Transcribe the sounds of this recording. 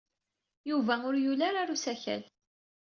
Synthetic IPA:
juvæʊɾjulaɾaɾusæçæ̰l

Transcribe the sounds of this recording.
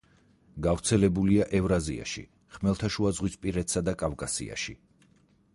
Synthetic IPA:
ɡavɾt̪sʰɛlɛbuliaʔɛvɾazḭa̰ʃḭ | χmɛlˠt̪ʰaʃuazʁwispʼiɾɛt̪ʰsad̪akʼavkʼasḭa̰ʃḭ

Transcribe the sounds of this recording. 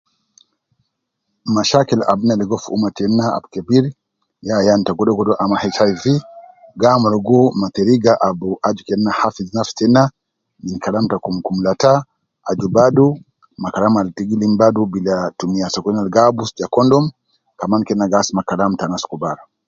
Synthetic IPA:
maʃakila̰bunalɛɡɔfṵmatɛnaa̰bkɛbiɾ | jajantaɡɔɗɔɡɔdɔʔamahɛt͡ʃajviɡamɔɾɔɡɔmat̪ɛɾiɡaʔabuʔad͡ʒukɛnːahafiznafstɛna | ninkalamtakumkumlata | ad͡ʒubadu | makalamaltiɡilimbadubilatumiasɔkɔnalɡabusakɔndɔm | kamankɛnaɡasmakalamtanaskubaɾ

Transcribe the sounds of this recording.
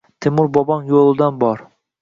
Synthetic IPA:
t̪ʰemʊɾbɒbɒnjolˠɪd̪anbɒɾ

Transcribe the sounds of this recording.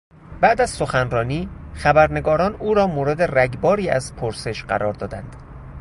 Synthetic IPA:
b̥æʔd̪æz̥so̞xænrɒːniːxæbæɾne̞ɡɒːɾɒːnuːɾɒːmoːɾe̞d̪eræɟbɒːɾiːæ̰zpʰoɾse̞ʃɢæ̰ɾɒːɾd̪ɒːd̪ænd̪̥

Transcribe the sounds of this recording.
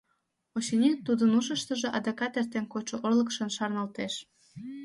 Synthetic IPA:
oɕinʲit̪ːud̪ənuʃəʃt̪ə̆ʒĕʔɑd̪ɑkɑt̪ert̪enkot͡ɕoʔorlə̆kʃənʃɑrnɑlt̪eʃ

